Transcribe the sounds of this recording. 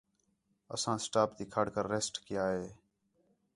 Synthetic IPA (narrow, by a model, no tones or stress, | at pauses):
ə̰sãːsʈaːpd̪iːkʰaːɽkəɾːeːsʈkɪjaːɦeː